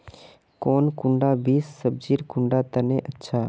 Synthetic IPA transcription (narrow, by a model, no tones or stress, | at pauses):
koːnkʊ̃ɳɖaːbiːsːəb̚d͡ʒiːɾkʊ̃ɳɖaːt̪ənẽːʔətːʃʰaː